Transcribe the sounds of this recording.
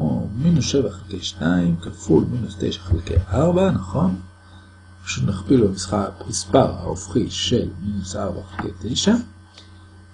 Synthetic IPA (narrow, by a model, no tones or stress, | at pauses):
ko̰minusʃevaχelkejʃnaimkafulminust̪ḛjʃḁχelkḛjʔaʁbanaχo̞n | ḁʃunaχpilamisχamispaʁha̰ofχiʃelminusʔaʁbaχelkḛjt̪ejʃa